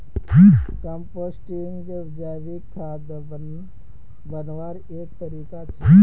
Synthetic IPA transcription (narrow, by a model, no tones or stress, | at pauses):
kə̃mpoːsʈiŋɡed͡ʒaːʋikʰːaːd̪ | bənʋaːɾ | eːk̚t̪əɾiːkat͡ʃʰe